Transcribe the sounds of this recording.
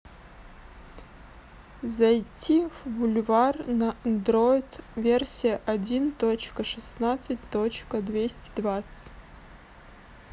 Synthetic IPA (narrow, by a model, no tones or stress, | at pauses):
zɐjtʲʰːivbʊlʲvarnɐʔɐnd̪ɾoɪt̪vʲersʲijəʔɐdʲint̪ot͡ɕkəʂɨsnat̪sɨtʲt̪ot͡ɕkəd̪vʲesʲtʲɪd̪vat̪sɨ̥tʲ